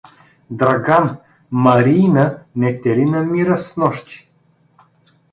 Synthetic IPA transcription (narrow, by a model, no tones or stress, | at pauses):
d̪ɾaɡam | mɐɾinənɛt̪ɛlinɐmiɾəsnɔʃt̪i̥